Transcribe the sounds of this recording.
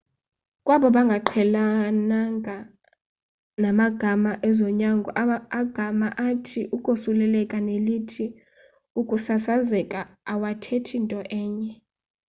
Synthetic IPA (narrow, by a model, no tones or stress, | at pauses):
kʼwaɓɔɓaŋɡʱaǃʰɛlanaŋʱa | namaɡ̥ʱamaʔɛzɔɲaŋɡʱɔʔaɡ̥ʱamaʔatʰiʔukʼosulɛlɛkʼanelitʰi | ukʼusasazɛkʼaːwatʰetʰintʼɔʔɛːɲɛ